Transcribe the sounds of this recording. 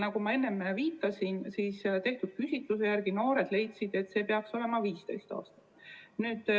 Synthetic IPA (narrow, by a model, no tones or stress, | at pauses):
nɑkumɑe̞nːemviːt̪ːˑɑsinsiːst̪e̞ht̪ud̥̪̚pysʲit̪ːˑuse̞jærɡ̥ino̞ːɾe̞d̪̥le̞jt̪sid̪̥e̞t̪ːse̞ːpe̞ɑkso̞le̞mɑviːst̪e̞̰jst̪ɑ̰ːst̪ɑ̥ | nyːd̪̥